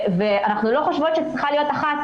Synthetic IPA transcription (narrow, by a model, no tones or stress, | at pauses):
veanaχnulo̞χoʃvot̪ʃet͡sʁiχalijo̞t̪aχat̪